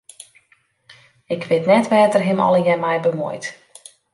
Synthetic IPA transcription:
ɪkʰʋɪtnɛtʋɛːtərɦɪmɔ̰ləjɛmɛjbəmo̰jt

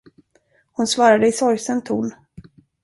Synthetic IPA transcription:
hʊnsvɑːɾad̪əɪsɔɾjsənt̪ʰuːn

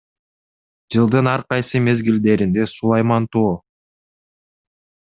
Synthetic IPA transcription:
d͡ʒɯlˠd̪ɯnɑɾqɑjsɯme̞zɡild̪e̞ɾind̪e̞sulˠɑjmɑnt̪oː

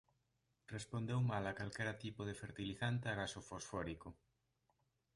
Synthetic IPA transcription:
respond̪ewmalakalkɛɾat̪ipoðefeɾt̪iliθant̪eaɣasofosfɔɾiko

